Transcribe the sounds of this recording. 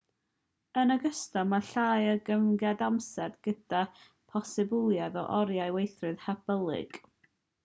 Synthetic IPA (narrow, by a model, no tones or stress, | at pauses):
ənəɡəstɔmaɬaːjəɡəmɡadamsɛrdɡ̥əd̥a | pʰɔsɪbʊlˠjaðɔʔɔɾjajwejθrɨðhab̥əlˠɪ̰ɡ̥